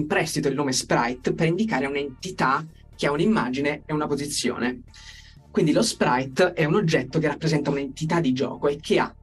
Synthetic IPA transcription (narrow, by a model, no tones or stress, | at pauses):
mpɾɛst̪it̪oilnoːmespɾa̰jt̪peɾind̪ikaːɾeunaent̪it̪a | k̟ːeaunimːa̰ːd͡ʒineːunapozit̪sːjo̰ːne | kwind̪ilospɾajt̪ɛunod͡ʒːɛt̪ːokerːapːɾezɛnt̪aunent̪it̪ad̪ːid͡ʒɔ̰ːkoekʰːea